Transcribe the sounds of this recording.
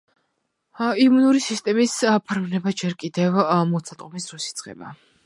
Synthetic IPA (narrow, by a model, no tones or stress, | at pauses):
imunuɾisist̪ʼɛmispʰaɾvnɛbad͡ʒɛɾkʼid̪ɛvmɔt̪sʰat̪ʼqʼɔmisɾɔsit̪sʼqʼɛ̰ba̰